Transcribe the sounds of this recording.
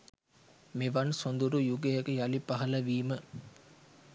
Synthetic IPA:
meʋɐnsond̪uɾujuɡejɐkəjɐlipɐɦɐlɐʋiːmə

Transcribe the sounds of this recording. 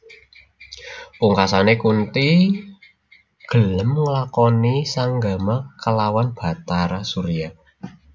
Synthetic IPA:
puŋkasanekunt̪i | ɡ̥ə̤ləmŋəlakɔnisaŋɡamakəlawanb̥a̤t̪aɾasuɾia

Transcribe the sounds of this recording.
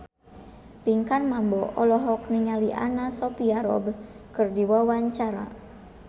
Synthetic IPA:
piŋkanmambɔʔɔlɔɦɔk̚niɲaliʔa̰nasɔpiaɾɔ̰bkɨrdiwawaɲt͡ʃaɾa̰

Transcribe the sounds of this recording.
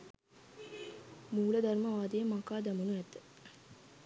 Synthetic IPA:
muːɭəd̪ʱɐrməʋaːd̪ejəmakaːd̪æmunuæt̪ːə̥

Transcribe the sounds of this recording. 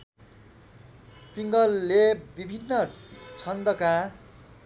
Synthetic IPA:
piŋɡʌlːebibʱinːʌt͡sʰʌnd̪ʌka

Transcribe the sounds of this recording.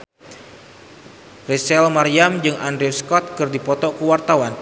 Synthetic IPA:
risɛlmaɾiamd͡ʒɨŋʔandɾiskɔt̪̚kɨrdipɔt̪ɔkəwart̪awan

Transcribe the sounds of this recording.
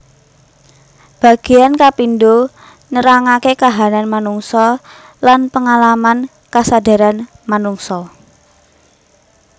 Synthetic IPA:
b̥a̤ɡ̥e̤jankapindo | nəɾaŋakekaɦananmanuŋsɔ | lanpəŋalaman | kasada̤ɾan | manuŋsɔ

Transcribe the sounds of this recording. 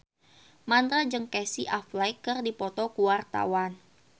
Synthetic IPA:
mand̪ɾad͡ʒəŋkɛsiʔaflajkərdipɔt̪ɔkuwart̪a̰wan

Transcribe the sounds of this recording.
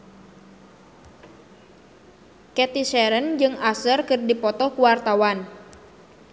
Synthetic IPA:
kɛt̪isɛɾənd͡ʒɨŋasərkɨrdipɔt̪ɔhkuwart̪awan

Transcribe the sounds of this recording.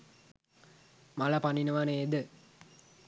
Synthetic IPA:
malɐpaninəʋanəed̪ə

